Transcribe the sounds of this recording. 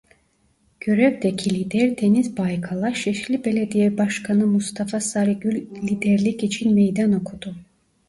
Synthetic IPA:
ɡ̥øɾɛvd̪ɛcʰilʲid̪ɛɾt̪ʰenizbajkʰalˠaʃɛʃlʲibe̞lʲed̪ijɛbaʃkʰanɯmust̪ʰafasaɾiɡylʲlʲid̪ɛɾlʲicit͡ʃʰinmejd̪ano̞kʰud̪̥u

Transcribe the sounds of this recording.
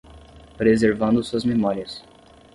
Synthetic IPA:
pɾezeɾvɐ̃nd̪ʊsuɐzmemɔɾiɐs

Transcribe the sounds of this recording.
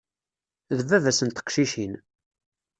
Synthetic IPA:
ðəvːævæsənt̪ə̥qʃiʃin

